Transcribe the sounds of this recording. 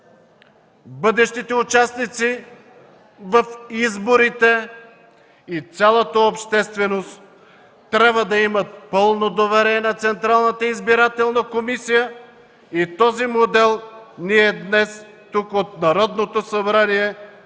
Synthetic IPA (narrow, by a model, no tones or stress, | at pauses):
bɤd̪ɛʃt̪it̪ɛut͡ʃasnit̪si | vəfizboɾit̪ɛ | it̪sʲalˠot̪əopʃt̪ɛst̪vɛnost̪ː | ɾʲabvəd̪ɐimət̪̚pɤlˠnod̪ovɛɾɛnɐt̪sɛnt̪ɾalˠnət̪əizbiɾat̪ɛlˠnəkomisijə | it̪ɔzimod̪ɛlˠniɛd̪nɛs | t̪ukot̪nɐɾɔd̪not̪osɐbɾaniɛ